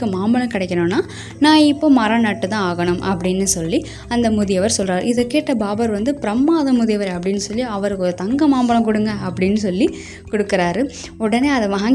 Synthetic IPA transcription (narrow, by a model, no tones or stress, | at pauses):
ɯmaːmbɐɭɐ̃kɪɽɛkʲːɐɳõːnːaː | nãːɪpːoːmɐɾɐnɐʈːɯt̪ãːaːɣɐɳɯmʔɐpːɐɽɪnːɯsɔlːi | ɐnd̪ɐmʊðɪjɐʋɐɾsɔlraːɾɪðɐkeːʈːɐbaːbɐɾʋɐnd̪ɯpɪɾɐmːaːðɐmʊðɪjɐʋɐɾɐpːɐɽɪnːɯsɔlːiɐʋɐɾɯkːɔɾɯt̪ɐŋɡɐmaːmbɐlɐ̃mkʊɽɯŋɡɐɐpːɐɽɪnːɯsɔlːi | kɔɽɯkːɪɾaːɾɯ | ɔɽɐneːɐðɐʋɐɦãŋ